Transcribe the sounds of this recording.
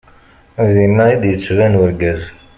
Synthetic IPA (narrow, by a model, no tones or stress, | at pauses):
ðinːæjid̪jət͡sːvænwəɾɡæz